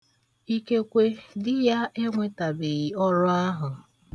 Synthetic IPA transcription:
i˦ke˦kʷe˦dɪ˦ja˦e˦ŋʷe˦ta˨be˨ɣi˨ɔ˦ɾʊ˦a˦ɦʊ˨

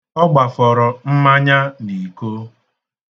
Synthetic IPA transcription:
ɔ˦ɡ͡ba˨fɔ˨ɾɔ˨m̩˦ma˦ɲa˦ni˨ko˦

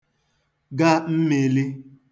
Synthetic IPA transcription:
ɡa˦m̩˦me˨li˦

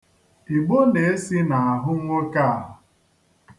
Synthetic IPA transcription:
i˨ɡ͡bo˦ne˨e˦si˦na˨a˨ɦʊ˦ŋʷo˦ka˦a˨ɦʊ˨

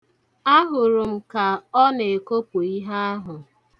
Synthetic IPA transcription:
a˦ɦʊ˨ɾʊ˨m̩˦˨ka˨ɔ˦ne˨e˨ko˦pu˨i˦ɦa˦a˦ɦʊ˨

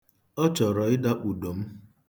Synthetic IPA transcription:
ɔ˦t͡ʃɔ˨ɾɔ˨ɪ˦da˦k͡pu˨do˨m̩˦

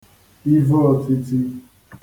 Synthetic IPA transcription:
i˦vɔ˦˨ti˧ti˦

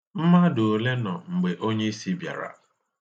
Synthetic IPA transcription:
m̩˦ma˦do˨le˦nɔ˨ŋ͡m̩˨ɡ͡be˨ʔo˦ɲe˦i˦si˦bja̰˨ɾa̰˨

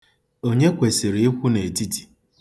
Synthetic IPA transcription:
o˦ɲe˦kʷe˨se˨ɾe˨˦i˦kʷu˦ne˨di˦di˨

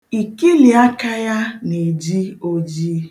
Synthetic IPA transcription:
i˨ki˦li˨a˦ka˦ja˦ne˨d͡ʒi˦o˦d͡ʒi˦

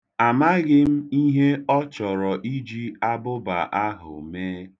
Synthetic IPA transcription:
a˨ma˦ɣɪ˦m̩˦i˦ɦe˦ɔ˦t͡ʃɔ˨ɾɔ˨ʔi˦d͡ʒi˦a˦bʊ˦ba̰˨ʔa˦ɦʊ̰˨meː˦

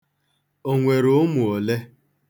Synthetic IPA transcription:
o˨ŋʷe˨ɾo˨˦mu˨o˨le˦

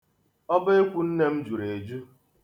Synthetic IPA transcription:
ɔ˦be˦kʷu˦n̩˦ne˦m̩˦d͡ʒu˨ɾe˨d͡ʒu˦

